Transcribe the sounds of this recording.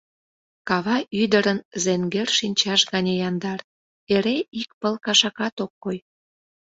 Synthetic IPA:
kɑβɑʔyd̪əɾənzeŋɡerʃinʲt͡ɕɑʃɣɑnʲejɑnd̪ɑr | eɾeikpəlkɑʃɑkɑt̪okːoj

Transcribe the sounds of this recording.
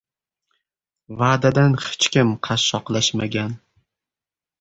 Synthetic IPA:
vaːd̪ad̪anχɪ̥t͡ʃkʲɪmqʰɑʃːɒqlˠaʃma̰ɡʲan

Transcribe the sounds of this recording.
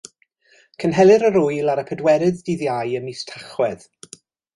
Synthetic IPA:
kʰənɦɛlˠɪɾəɾʊjlaɾəpʰɛdwɛɾɪðdiðjajəmistʰaχwɛð̥

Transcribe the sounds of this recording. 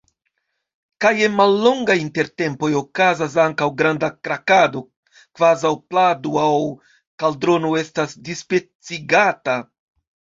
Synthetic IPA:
kajenmalːo̞ŋɡajinte̞ɾte̞mpo̞jo̞kazas̬aŋkawɡɾandakɾakado̞ | kvazawpladuaw | kaldɾo̞nue̞stasdispe̞t͡siɡata

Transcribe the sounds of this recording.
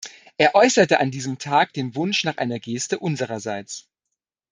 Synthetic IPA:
ʔeːɐʔɔʏsɐtəʔandiːzəmtʰaːk̚d̥eːnvʊnʃnaːχʔa̰ɪnɐɡeːstəʔʊnzəʁɐzaɪt͡s

